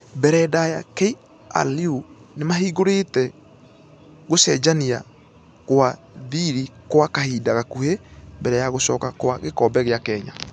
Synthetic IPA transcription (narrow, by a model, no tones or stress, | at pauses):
bɛɾɛdajakɛi | a̰liunemaɦiɡoɾetɛ | ɡosɛd͡ʒania | koa | ðiːɾikoakahiːdaɣakuhembɛɾɛjaɣosɔkakoa̰ɣekɔbɛɣeakɛɲa̰